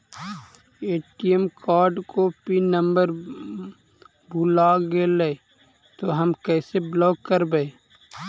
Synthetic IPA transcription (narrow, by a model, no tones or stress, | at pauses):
eːʈiemkʰaːɾɖkopinə̃mbəɾ | bʱulaɡelee | t̪oɦəmkɛːseblɔːɡkːəɾbee